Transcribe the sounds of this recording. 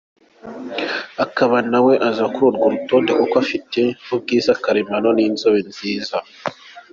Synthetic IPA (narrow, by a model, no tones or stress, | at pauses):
akaβanaweʔazakuɾuɾɡuɾutondekokafiteub̚ɡiːzakaɾemanoniːnzoβenziːza